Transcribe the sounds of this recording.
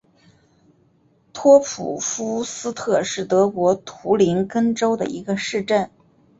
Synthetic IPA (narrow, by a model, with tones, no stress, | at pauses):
t̪ʰwɔ˥pʰṵ˨˩fu˥sɹ̩˥t̪ʰɤ˥˧ʂɻ̩˥˩t̪ɤ˧˥kwɔ˧˥t̪ʰu˧˥li˧˥nkə˥nʈ͡ʂo˥ʊd̪ə̰˨˩ḭ˧˥ɡə˧ʂɻ̩˥˧ʈ͡ʂə˥˩n